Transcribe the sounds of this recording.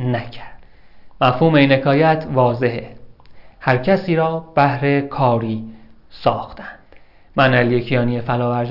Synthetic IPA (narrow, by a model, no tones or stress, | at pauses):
næcʰæɾd̪̥ | mæfhuːmeiːnhekʰɒːjæt̪ʰvɒːze̞ɦe | hæɾcʰæsiːɾɒːb̥æhɾe̞kʰɒːɾiːsɒːxt̪ʰænd̪̥ | mænælijecʰijɒːniefælɒːvæɾd